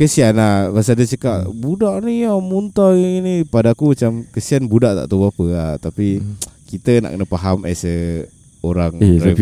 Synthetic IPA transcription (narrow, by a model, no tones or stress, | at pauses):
kəsianabas̬adət͡ʃəkaʔbudaʔniɔmunt̪ɔinipadaːkumat͡ʃamkəsianbudaʔt̪a̰ʔt̪oboapəat̪apikit̪əna̰ʔkənəpaɦama̰sə | oɾaŋɾa